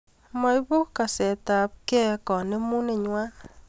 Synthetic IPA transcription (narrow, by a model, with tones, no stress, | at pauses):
mɔ˨˦jβʊ˦ka˨sɛ˨ta˨p̚kɛ˦kɔ˨ne˦mu˦ne˨ɲwa˦